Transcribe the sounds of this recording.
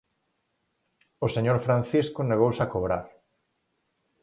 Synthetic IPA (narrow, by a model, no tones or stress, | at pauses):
oseɲoɾfɾanθiskʊneɣowsakoβɾa̰ɾ